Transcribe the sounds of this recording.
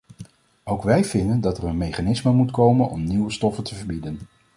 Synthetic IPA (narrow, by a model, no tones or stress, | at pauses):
owkʋɛjvɪndəndɑtərənmejχanɪsməmutkowmənɔ̰mniwəstɔfəntəvəɹbidən